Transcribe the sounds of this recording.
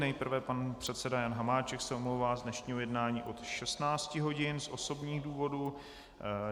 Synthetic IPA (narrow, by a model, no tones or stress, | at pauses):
nɛjpr̩vɛpanpr̝̥ɛt̪sɛdajanɦamaːt͡ʃɛksɛomlowvaːzdnɛʃɲiːɦojɛdnaːɲiːʔo̞t̪ʃɛst̪naːt͡scɪɦo̞ɟɪnsʔo̞so̞bɲiːɣduːvo̞duː